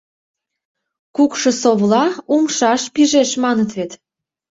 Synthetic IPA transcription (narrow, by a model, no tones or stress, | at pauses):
kukʃɤ̆soβlɑumʃɑʃpiʒeʃmɑnət̪βet̪